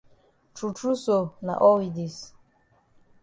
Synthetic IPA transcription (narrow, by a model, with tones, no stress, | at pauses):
tʰu˨tʰu˦so˨na̰˨ʔɔ˦wi˨di˨s